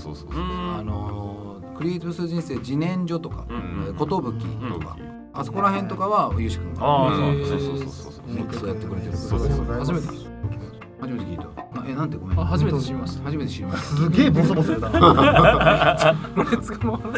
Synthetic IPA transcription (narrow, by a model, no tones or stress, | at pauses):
ooano̞ | kɯ̟ɾʲiːt͡sɨbɯsɨɾɯʑĩse̞ːd͡ʑinẽ̞ɲd͡ʑot̪o̞ka̰eko̞t̪o̞bɯ̟kʲːḭt̪oka̰ | asoko̞ɾaɦẽnt̪o̞kaβaojɯɕi̥kɯ̃ŋka | sok̪ot̪ojat̪ːekɯ̟ɾe̞t̪eɾɯshaʑimet̪e | haʑime̞t̪ekʲiːt̪oaenãnt̪̬eɡo̞mẽhaʑimeɕiimashaʑime̞t̪e̞ɕiɾʲimasɨɡʲeːbosoboseɾet̪a | noet͡sɨ̥kamo